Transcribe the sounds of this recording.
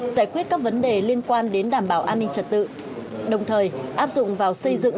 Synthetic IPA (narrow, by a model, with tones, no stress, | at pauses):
zaː˧˩jkwi˦˥ət̚kaː˦˥k̚və˨˦nɗe˨˩li˧ənkwaː˧nɗe˨˦nɗaː˧˩mɓaː˧˩wʔaː˧nːï˧ŋ̟t͡ɕə˨˩t̚t̪ɨ̰˧˨ | ɗə˨˩wŋ͡mt̪ʰəː˨˩jʔaː˦˥p̚zʊ̰˧˨ŋ͡mvaː˨˩wsə˧jzɨ̰˧˨ŋ